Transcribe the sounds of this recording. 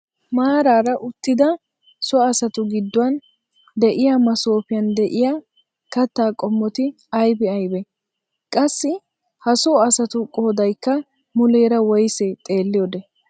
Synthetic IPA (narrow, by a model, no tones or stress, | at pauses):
maːɾaːɾɐʔʊt̪ːɪd̪ɐ | sɔɐsɐt̪ʊɡɪd̪ːʊwɐn | d̪ɛʔɪjaːmɐso̞ːpɪjɐnd̪ɛʔɪjaː | kɐt̪ːaːkʼɔmːɔt̪ɪ | ɐjbɛɐjbɛ | kʼɐsːɪ | hɐsɔɐsɐt̪ʊkʼoːd̪ɐjkːɐ | mʊleːɾɐwɔjset̪ʼe̞ːlːɪjod̪ɛ